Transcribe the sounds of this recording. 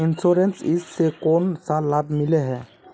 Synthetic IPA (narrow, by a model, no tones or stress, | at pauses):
insɔɾensissekɔnsalab̚ʱmilɛɦɛ